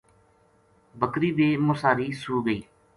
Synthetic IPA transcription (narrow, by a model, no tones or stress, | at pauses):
bəkɾiːd̪eːmʊsaːɾiːsuːɡəiː